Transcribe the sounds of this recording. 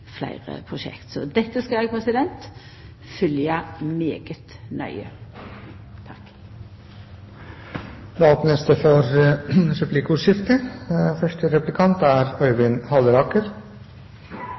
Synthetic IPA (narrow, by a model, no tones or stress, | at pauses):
flæ̰ɪʁə̰pʰʁʊʃɛ̰kt̪sɔ̰d̪ɛt̪ːəskɑlɛɡ̚pʰɾɛsɪd̪ɛnt̪ | fʏljɑmeːɡət̪nœ̰ʏə | t̪ʰɑk | ɾɑːt̪nɛst̪əfɔɾɾʉplɪkuːʂɪft̪əfœʂʈəɾɛplɪkʰɑnt̪æɾœʏʋɪnhɑləɾɑːkəɾ